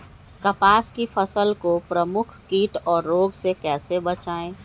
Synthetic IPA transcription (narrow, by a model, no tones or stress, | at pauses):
kɐpaːskipʰəsəlkopɾəmʊkʰkiːʈɔːɾːoːɡsekɛːsebət͡ʃaːẽː